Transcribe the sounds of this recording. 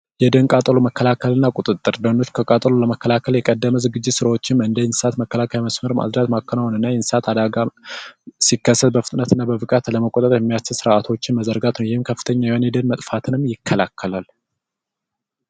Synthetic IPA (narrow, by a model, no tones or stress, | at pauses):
jɛd̪ənkʼat̪ʼəloməkʰːəlakʰəlɨnːakʼut̪ʼɨt̪ʼːɨɾd̪əndo̞t͡ʃːkʰəkʼat̪ʼəloləməkːəlakʰəljɛkʼəd̪ːəməzɨɡɨd͡ʒːɪt̪sɨɾawot͡ʃːɪmɨnd̪əjɛnsɨ̥sat̪məkːəlakʰajaməsməɾma̰d̪dat̪makːənawnɨnːajɛnsɨ̥sat̪ʰad̪aɡa | sikːəsːət̪̚bəfɨt̪ʼnət̪ɨnːabəbɨkʼat̪ləməkʼot̪ʼət̪ʼɾjɛmːijast͡ʃːɪlsɨɾʔat̪ʰo̞t͡ʃːɪnməzəɾɡat̪nəwjɪhɨmkʰəfːɨ̥t̪ʰəɲːajɛonjɛd̪ənmət̪ʼfat̪ʰɨnɨmjɪkʰːəlakʰːəlal